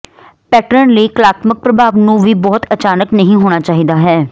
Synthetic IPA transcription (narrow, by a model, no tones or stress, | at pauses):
pɛːʈɾəɳləiːkəlaːt̪mək̚pɾəbʱaːʋnũːʋiːbɔːt̪ət͡ʃaːnəknəɦĩːɦoːɽ̃aːt͡ʃaːɦiːd̪aːɦɛː